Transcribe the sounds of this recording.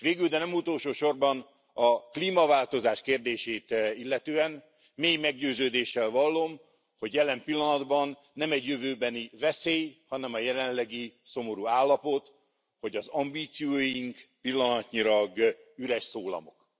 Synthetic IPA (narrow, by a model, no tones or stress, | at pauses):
ʋeːɡyld̪ɛnɛmut̪olʃoːʃo̞rbɒn | ɒkliːmɒvaːlt̪o̞zaːʃkeːrd̪eːʃeːt̪ilːɛt̪øːɛn | meːjmɛɡɟøːzøːd̪eːʃːɛlvɒlːom | ho̞ɟjɛlɛmpilːɒnɒd̪bɒnːɛmɛɟjøvøːbɛnivɛseːjhɒnɛmɒjɛlɛnlɛɡiso̞mo̞ɾuaːlːɒpo̞t̪ | ho̞ɟɒzɒmbiːt̪sijoːjiŋkpilːɒnɒt̪ɲilɒɡyɾɛʃsoːlɒ̰mo̞̰k